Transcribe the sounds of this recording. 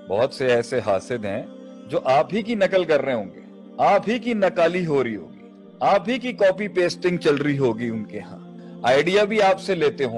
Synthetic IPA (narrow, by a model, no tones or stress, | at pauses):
bɔɦʊt̪seɛːseɦaːsɪd̪ɦɛ̃ | d͡ʒoːʔaːp̚ɦikinɐkəlkɐɾːeɦeɦõːŋɡeː | aːpɦikinɐkaːliɦoːɾɐiɦo̰ːɡiː | aːp̚ɦikikɔːpipeːsʈɪ̃ŋɡ̚t͡ʃɐlɾiɦoːɡiʊnkeɦã̰ː | aːɪɖijabʱiaːpseleːt̪eɦõː